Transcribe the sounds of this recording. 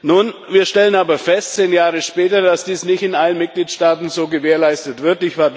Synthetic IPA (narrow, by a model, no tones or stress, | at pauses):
nuːnviːɐʃtɛlənaːbɐfɛstt͡seːnjaːʁəʃpɛːtɐdasd̥iːsnɪçtɪnʔalənmɪt̚ɡ̥liːtʃtaːtn̩zoːɡəveːɐlaɪstətv̥ɪɐtɪçv̥aːɐ